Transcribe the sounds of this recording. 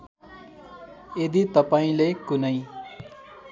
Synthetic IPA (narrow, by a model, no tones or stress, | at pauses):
ed̪it̪ʌpaĩlekunʌj